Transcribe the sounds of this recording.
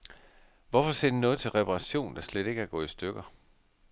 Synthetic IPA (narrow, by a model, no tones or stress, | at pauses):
ʋɒfɒ̽se̝ɐ̰d̥inɔ̽ːð̞̩ˠt͡sʰe̝lʁɛpʰɑʁɑ̈ɕo̝̰ːnd̥ɑ̈sled̥e̝ɡ̥əæɐɡ̥ɔ̰̽ːisd̥øɡ̥ɐ